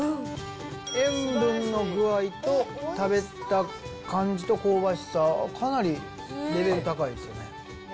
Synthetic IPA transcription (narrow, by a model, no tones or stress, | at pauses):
ẽ̞mbɯ̟̃nːo̞ɡɯ̟ait̪o̞t̪abe̞t̪a | kãɲ̟d͡ʑit̪o̞ko̞ːbaɕi̥sakʰanaɾʲi | ɾe̞be̞ɾɯ̟t̪akaid̪esɨjo̞̰ne̞